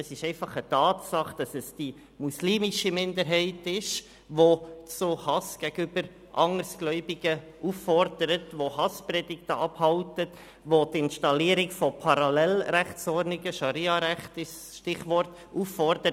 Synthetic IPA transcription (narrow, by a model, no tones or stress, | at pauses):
əsɪʃɛɪfɑχətɑːtsɑχd̥ɑsəsd̥i | musliːmiʃimɪndəɾɦɛɪtɪʃ | ʋot͡sʊhɑsɡ̥æɡ̥əʏbəɾ | ʔɑŋəɾsɡ̥lœʏbiɡə | ufːɔɾd̥əɾətʋohɑsprɛdɪktəʔɑphɑʊtət | ʋotɪnʃtɑliːəɾɪkfɔpʰɑɾɑlɛlɾæχtsɔɾnɪɡəʃɑɾiːɑɾæχtɪ | ʃtɪχʋɔɾt | ufːɔɾdəɾ